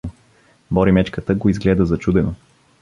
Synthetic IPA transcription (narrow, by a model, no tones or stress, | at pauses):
bɔɾimɛt͡ʃkət̪əɡoizɡlɛd̪əzɐt͡ʃud̪ɛno